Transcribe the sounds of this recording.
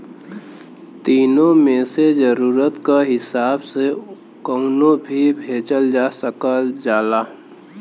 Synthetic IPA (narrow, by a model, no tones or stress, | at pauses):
t̪iːnõmẽsezəɾuːɾət̪kaɦɪsaːbse | kəʊnõbʱibʱeːt͡ʃəld͡ʒaːsəkəd͡ʒaːlaː